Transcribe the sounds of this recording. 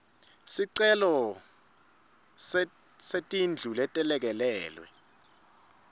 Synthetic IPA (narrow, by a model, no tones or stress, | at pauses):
siǀɛlɔ | setʼind͡ɮʱulɛtʼɛlɛk̬ɛlɛːlwɛ̰